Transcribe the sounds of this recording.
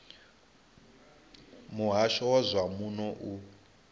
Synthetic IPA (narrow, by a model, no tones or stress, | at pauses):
muɦaʃɔwɔzʷwamunɔʔu